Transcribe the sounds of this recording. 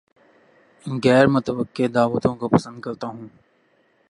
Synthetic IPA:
ɣɛːɾmʊt̪əʋəkːed̪aːʋət̪õkopɐsə̃nd̪̚kɐɾt̪aɦũː

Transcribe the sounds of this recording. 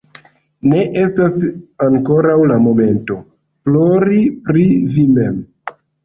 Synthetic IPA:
ne̞ʔe̞stasaŋko̞ɾawlamo̞me̞nto̞ | plo̞ɾipɾivime̞m

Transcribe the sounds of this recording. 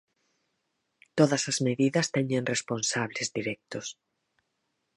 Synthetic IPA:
t̪oðɐsɐzmeðiðɐst̪ɛɲẽŋresponsaβlezðiɾɛk̚t̪ʊs

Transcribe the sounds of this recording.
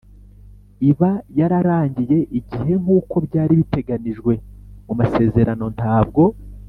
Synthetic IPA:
iβajaɾaɾaːɲɟije̞ʔiɟihe̞ŋ̥uːko̞bɟaːɾiβite̞ɡaniʒɡwe̞mumase̞ːze̞ɾano̞ntaːb̚ɡo̞

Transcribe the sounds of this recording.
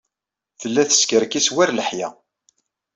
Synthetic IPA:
θəlːæθə̥skəɾkiswæɾləħjæ̰

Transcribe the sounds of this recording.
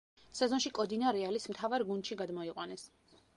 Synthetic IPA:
sɛzɔnʃikʼɔd̪inaɾɛalismt̪ʰavaɾɡund̪ʃiɡad̪mɔiqʼwanɛs

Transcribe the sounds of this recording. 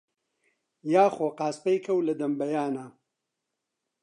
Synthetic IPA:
jaːxoːqaːspɐjkʰɐwlɐd̪ɐmbɐjaːna

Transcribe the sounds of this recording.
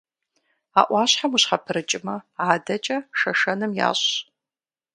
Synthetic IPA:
a̰ːʔʷɑːɕħamuɕħapʰɨɾɨt͡ʃʼɪmɐaːdɐt͡ʃʼɐʂɐʂɐnɨmja̰ːɕ

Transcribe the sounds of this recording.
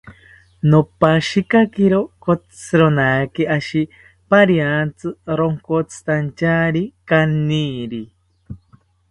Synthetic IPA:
nopaʃikakiɾokot͡sʰɨɾonakeʔaʃi | paɾjant͡sɨɾoŋkot͡sʰɨ̥t̪ant͡ʃaɾikanːiɾi

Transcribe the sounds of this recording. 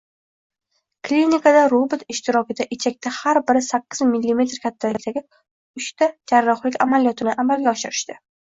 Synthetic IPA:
kʰlinʲikʰad̪aɾobɪt̪ɪʃt̪ɪɾɒkʲɪd̪aʔɪt͡ʃʰak̚ʲt̪ʰahaɾbɪɾɪsakʲːɪzmɪlːime̞t̪ɾkʲʰat̪ʰːat̪ʰaɡʲɪ | ʊʃt̪ad͡ʒaɾːɒχlɪkʲa̰malijɒt̪ʰɪnɪʔamalɡʲaɒʃɪɾɪʃt̪ɪ

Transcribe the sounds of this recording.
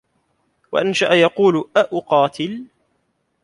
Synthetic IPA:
wa̰ʔanʃaʔajɑquːlʔaʔʊqɑːt̪ɪl

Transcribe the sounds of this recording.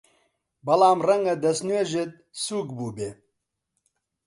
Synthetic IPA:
bɐlaːmrɐŋɡɐd̪ɐsnueʒɪt̪̚suːkbuːbe

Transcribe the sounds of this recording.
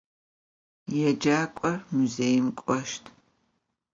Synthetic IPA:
jɛd͡ʒaːkʷʼɔrmuzeːjɪmkʷʼɔʃtʰ

